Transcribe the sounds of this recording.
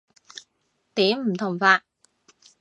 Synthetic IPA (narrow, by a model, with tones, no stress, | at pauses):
t̪iː˨˥m̩˨˩t̪ʰʊ˨˩ŋ͡mfaː˧˩k̚